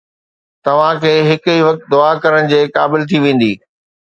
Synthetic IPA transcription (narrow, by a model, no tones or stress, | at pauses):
t̪ɐʋ̤ãkʰeːɦɪkʊiʋɐk̚t̪̚d̪ʊakɐɾəɽ̃̆d͡ʑeːkaːbɪlt̪ʰiʋẽːn̆d̪iː